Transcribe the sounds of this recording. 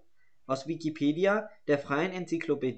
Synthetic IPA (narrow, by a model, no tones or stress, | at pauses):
ʔaʊsvikipʰeːdiad̥eːɐfʁ̥aɪənɛnt͡sikʰloped